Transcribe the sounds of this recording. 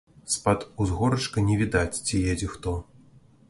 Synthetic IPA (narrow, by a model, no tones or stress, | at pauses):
spat̪uzɣɔɾɐt͡ʂkɐnʲɛvʲid̪at͡sʲt͡sʲijɛd͡zʲɛxt̪ɔ